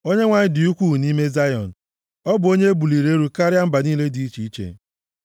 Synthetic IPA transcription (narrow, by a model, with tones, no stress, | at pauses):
o˦ɲe˦ŋʷa˨ɲɪ˦dɪ˨u˦kʷu˦˨ni˦me˦za˦jɔ̰˨n̩˨ | ɔ˦bʊ˨o˦ɲe˦e˦bu˨li˨ɾe˦ɾu˦ka˦ɾja˦m̩˦ba˨niː˦le˦di˨i˦t͡ʃi˨i˦t͡ʃḛ˨